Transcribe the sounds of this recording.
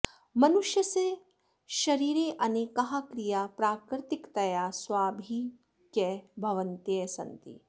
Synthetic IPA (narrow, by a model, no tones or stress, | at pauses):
mɐnuʃjɐse | ʃɐɾiːɾeːʔɐneːkɐɦakɾijaːpɾaːkɾɪt̪ikt̪ɐjaːsʋaːbʱi | kebʱɐʋɐnt̪jeːsɐ̰nt̪ḭ